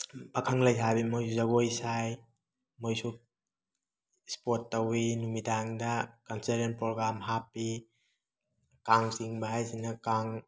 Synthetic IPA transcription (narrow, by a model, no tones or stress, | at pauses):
bakʰaŋlajsʰabimojsuzaɡojsaj | mojsu | spotːawinumidaŋdɐkanseɾenpɾoɡɾamɦapːi | kaŋsiŋbaɦajsinɐkaŋ